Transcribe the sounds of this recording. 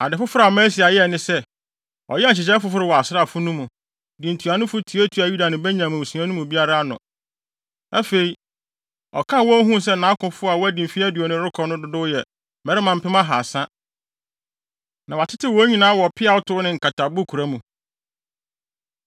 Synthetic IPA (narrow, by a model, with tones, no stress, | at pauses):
a˨dɪ˨fʊ˦fʊ˦ɾa˨mɛ̃˦si˨a˨jɛ˦˨nɪ̃˦sɛ˦ | ɔ̰˨jɛ˦˨t͡ɕɪ˨t͡ɕɛ˦fʊ˦fʊ˦ɾɪ˦˨wɔ˨a˨sɪ˦ɾa˨fʊ˦nũ˦mũ˨ | dĩ˨n˨tʰu˨a˨nʊ̃˦fʊ˦tʰi˨˦e˦tʰu˨a˨ju˦da˨nʊ̃˨bɛ˦ɲã˨m̃˨wu˨sũ˨ã˦nũ˦mũ˨bi˦a˦ɾa˦nʊ̰̃˨ | ɛ˦fe˨i˨ | ɔ̰˨kʰã˦wɔ̃˦ɦũ˦s̬ɛ˦n̩nã˨˦kʊ̃˨fʊ˦a˨wɔ˦æ˦dĩ˨m˨fi˦æ˦dɪ˨ɔ˨nʊ̃˦ɾʊ˦kʰɔ˨nʊ̃˦dʊ˦dʊ˦jɛ˨ | mɛ˨ɾɪ˦mã˨m̩˨˦pɪ˦mã˦ɦa˨sã˦ | nã˨wa˨tʰɪ˦tʰɪ˦wɔ˨˦ɲĩ˦nãː˨˦wɔ˨pʰɪ˦a˨wʊ˦tʰʊ˦nɪ̃˨ŋ̩˨kʰa˨tʰa˨bʊ˦kʰu˨ɾa˦mũ˨